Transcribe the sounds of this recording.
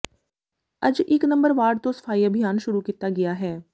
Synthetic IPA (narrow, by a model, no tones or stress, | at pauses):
əd͡ʒɪknə̃mbəɾʋaːɖt̪õːsə̥fʰaːiːəbʱɪjaːnʃʊɾuːkiːt̪ːaːɡɪjaːɦɛː